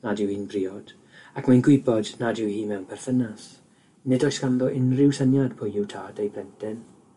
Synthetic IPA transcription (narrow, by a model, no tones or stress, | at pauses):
nadɪwhiːnbriːɔd̥ | akʰmanɡwɪbɔdnadɪwhiːmɛwnpʰɛrθənas | nɪdɔjskanðɔʔɪnrɪwsənjad̥pʰʊjɪwtʰaːdejbʰlɛntʰɪn